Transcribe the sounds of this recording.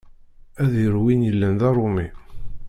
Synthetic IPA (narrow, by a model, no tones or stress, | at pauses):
æðjəɾwinjəlːænðɑɾˤomi